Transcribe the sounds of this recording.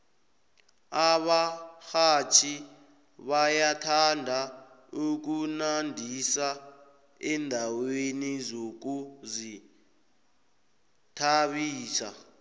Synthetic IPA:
aɓaxat͡ʃʰi | βajatʰandʱa | uk̬unandʱisa | ɛndʱawenizok̬uzi | tʰaɓiːsa̰

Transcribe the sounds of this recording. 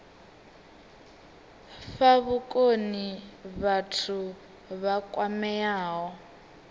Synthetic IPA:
faβukʼoniβatʰu | βakʼwamɛaːɦɔ

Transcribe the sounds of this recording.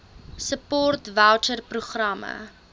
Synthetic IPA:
səpɔrtvælt͡ʃərpruχrɐmə̰

